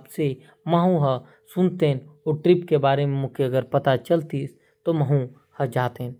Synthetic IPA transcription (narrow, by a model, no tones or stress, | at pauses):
bse | məɦũɦə | sʊnt̪enɔːʈɾɪpkebaːɾemẽmʊ̃keɐɡəɾpɐt̪at͡ʃəlt̪is | t̪oməɦũ | həd͡ʒaːt̪eɦn